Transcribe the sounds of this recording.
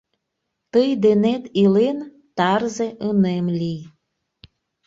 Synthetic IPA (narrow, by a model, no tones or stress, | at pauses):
t̪əjd̪enet̪ilen | t̪ɑrzeʔənemlʲij